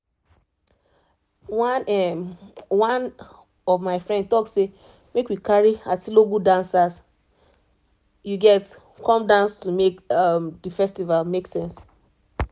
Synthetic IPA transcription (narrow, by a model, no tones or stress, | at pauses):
wanɛ | wãn | ɔvmaɪfɹɛ̃ndtɔksːe | mekwikaɹiatiloɡudãnsas | juɡɛt | kʰɔ̃mdãnstumekamdifɛstivalmeksɛ̃ns